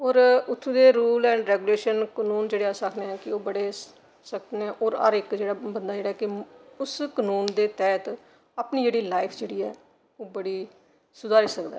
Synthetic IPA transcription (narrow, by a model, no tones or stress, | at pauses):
ɔːɾʊt̪ʰːũːd̪eːɾuːlɛ̃ːɳɖɾɛːɡuːleːʃənkənuːnd͡ʒeːɽeːaːsəkʰneːɛ̃ːkɪoːbəɽeː | səkd̪neɛ̃ʔɔːɾə̰ɾɪkd͡ʒeːɽaːbənd̪aːd͡ʒeːɽaːɦɛːkɪʊskənuːnd̪eːt̪ɛːt̪ | aːpniːd͡ʒeːɽiːlaːɪpʰd͡ʒeːɽiːɛ̰ː | oːbəɽiː | sʊd̪ʱaːɾiːsəkd̪a̰ː